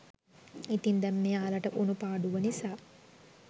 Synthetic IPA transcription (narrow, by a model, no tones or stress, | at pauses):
it̪ind̪ɛmːeːaːlɐʈɐʔunupaːɖuʋɐnisaː